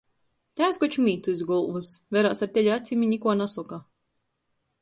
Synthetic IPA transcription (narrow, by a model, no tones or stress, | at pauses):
t̪ʲæːskɔt͡ʃumʲiːt̪uizɡɔlˠvɨsvɛɾaːsaɾt̪ʲɛlʲat̪sʲimʲiɲʲikuɔnasɔka